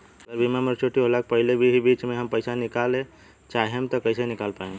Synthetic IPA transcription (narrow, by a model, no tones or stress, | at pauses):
əɡəɾbʱimaməɾt͡ʃʰoʈiɦolək̚pəɦilebʱiɦibit͡ʃmeɦəmpəɪsanikalẽ | t͡ʃaɦɦemt̪ɔkəɪsenikalpaɦem